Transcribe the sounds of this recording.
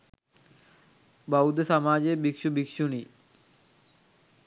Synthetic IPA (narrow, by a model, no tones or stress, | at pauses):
baud̪samaːd͡ʑebikʃubikʃuni